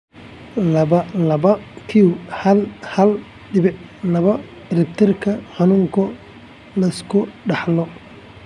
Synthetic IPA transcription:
lɐβɐlɐbɐkʰiwhɐlhɐl | ɖɪβɪʕlɐβɐ | rɪb̚t̪ʰɪrkʰɐħanuːŋkʰɔ | lɐskʰʊɖɑħlɔ

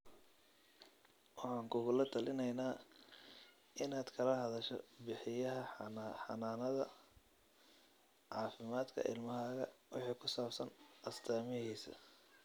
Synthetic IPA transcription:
wɑħɑːŋkʰʊɣʊlɐt̪ʰɐlɪnɛjnaː | ʔɪnaːd̪̥kʰɐlɐɦɐðɐʃɛ̰bɪħɪjɐɦɐħɑ̰naːnɐðɐ | ʕɑːfɪmaːd̪kʰɐ̰ʔɪ̰lmɐɦaːɣɐ̰wɪ̰ħiːkʰʊsaːbsɐnʔɐst̪ʰaːmɪhiːsɐ̰

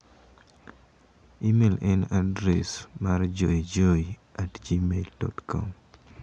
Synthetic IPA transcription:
imelɛnadɾɛsmard͡ʒoid͡ʒoiatd͡ʒimeldɔ̰tkʰɔ̰m

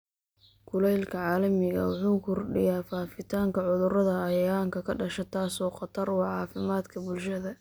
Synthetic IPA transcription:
kʰʊlɛjlkʰɐʕɑːlɐmɪɣɐ̰wɑħuːkʰʊrɖɪ̰jaːfaːfɪt̪ʰaːŋkɐʕʊðʊrɐðɐɐjaːŋkʰɐkʰɐɖɐʃɛt̪ʰaːsɔːqɑt̪ʰɐrwɑːʕɑːfɪmaːd̪kʰɐbʊlʃɐðɐ

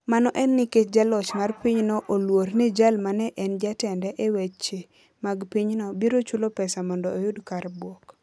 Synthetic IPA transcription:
manɔʔɛnːɪket͡ʃd͡ʒalɔt͡ʃmarpiɲnɔʔolwoɾnid͡ʒalmanɛʔɛnd͡ʒatɛndɛʔewet͡ʃe | maɡpiɲnɔbiɾot͡ʃulopɛsamɔndɔːjʊdkaɾbwɔk

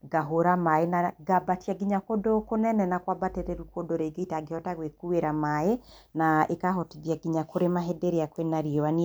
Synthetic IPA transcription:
ɡaɦoɾamaenaɡabatjaɡiɲakodokonɛnɛnakwabateɾeɾukodoɾeɡeitaɡehɔtaɣwekueɾamae | naekaɦɔtiðjaɡiɲakoɾemaɦɛdeɾeakwenaɾiɔwani

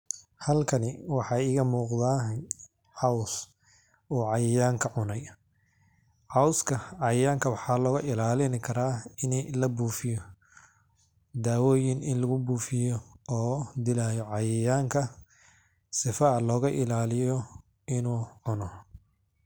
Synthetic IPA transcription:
hɐlkʰɐnɪwɑħɑːɪɣɐmuːqðaː | ʕɑws | uːʕɑjɐjaːŋkʰɐʕʊnɛj | ʕɑwskʰɐʕɑjɐjaːŋkʰɐwɑħɑːlɔːɣɐʔɪlaːlɪnɪkʰɐɾaːɪnlɐbuːfɪjɔ | d̪aːwɔːjɪnɪnlɐɣʊbuːfɪjɔɔːd̪ɪlaːjɔʕɑjɐjaːŋkʰɐ | sɪfɐlɔːɣɐʔɪlaːlɪjɔ | ɪnuːʕʊnɔ

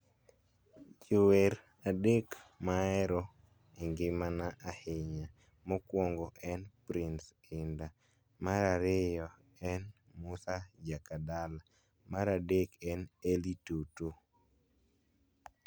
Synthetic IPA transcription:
d͡ʒuweɾ | adekmaɛɾɔ | eŋɡɪmanaʔahɪɲa | mɔkwɔŋɡɔʔɛnpɾins | ɪnda | maɾaɾɪjɔ | ɛn | musad͡ʒakadala | maɾadekɛnelitoto

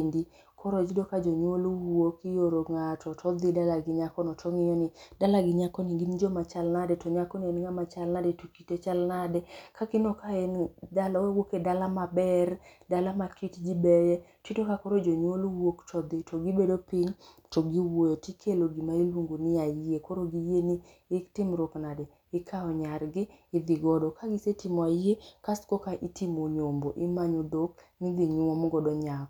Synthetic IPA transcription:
ndi | kʰɔɾɔd͡ʒidokad͡ʒɔɲwolwokɪjoɾoŋatɔtʰɔd̪ɪdalaɡɪɲakɔnɔtɔŋɪjɔnɪd̥alaɡɪɲakɔnɪɡind͡ʒɔmat͡ʃalnadɛtɔɲakɔnɪɛnŋamat͡ʃalnadɛtukitet͡ʃalnadɛkakɪnɔkaɛndalawɛwokedalamabɛrdalamakitd͡ʒibɛjɛtitokakɔɾod͡ʒoɲolwokt͡ʃɔd̪ɪtoɡɪbedopɪɲ | tɔɡiwoetikʰeloɡimailwoŋɡonɪaiekoɾoɡijeniː | tɪmɾɔknadɛ | ɪkʰaɔɲarɡɪːd̪ɪɡɔdɔkaɡɪsetimɔaekaskokaʔitʰimoɲomboʔɪmaɲod̪oknɪd̪iɲwɔmɡɔdɔɲak

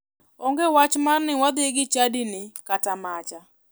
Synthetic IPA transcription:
oŋɡewat͡ʃmannɪwad̪ɪɡɪt͡ʃadinɪkatamat͡ʃa

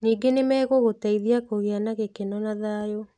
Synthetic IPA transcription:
niːɡenemɛːɣoɣotaiðiakoɣeanaɣekenɔnaðaːjo

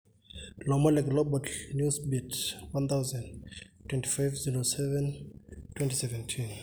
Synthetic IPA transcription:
lɔmɔlɛɡlɔbɔtnjusbitwãnt̪ʰawzãntʰːwɛ̃ntʰi̥fajvziɹosɛvɛ̃ntʰwɛ̃ntisɛvɛ̃ntʰĩn

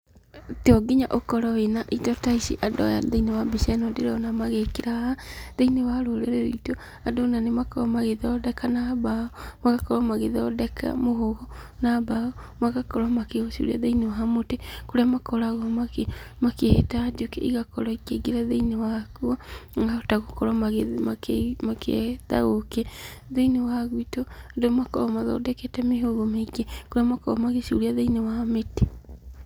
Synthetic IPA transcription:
teɔɡiɲaʔokɔɾɔwenaʔitɔtaisḭʔadɔ̰ja̰ðeinewabisɛnɔdeɾɔnamaɣekeɾahaðeinewaɾoɾeɾeɾoitɔ | adɔnanemakɔamaɣeðaɔdɛkanabaɔmaɣakɔɾwamaɣeðɔdɛkʰa̰moɦoɣɔnabaɔmaɣakɔɾamakeosio̰ɾaðeinewaɦamotekoɾeamakɔɾaɣɔmamakehɛtaːd͡ʒokɛ̰ʔiɣakɔɾɔikeɡeɾaðeinewakuaɡaotaɣokɔɾwamaɣmamakeða̰ɣokɛðeinewaɣwitɔdomakɔɾɔmaðɔ̰dɛkɛtɛmeɦoɣomeɡɛkoɾeamakɔɾɔmaɣeʃṵɾiaðeinewamete

